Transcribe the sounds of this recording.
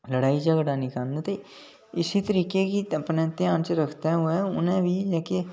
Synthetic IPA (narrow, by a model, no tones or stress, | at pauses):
lɐɽaːid͡ʒɐɡɽanikaːnd̪ət̪i | ɪsit̪əɾiːkekiɐpnẽnt̪jaːnseɾɐkʰt̪aɦɛɦoeʊ̰nɦẽbʱid͡ʒɛːke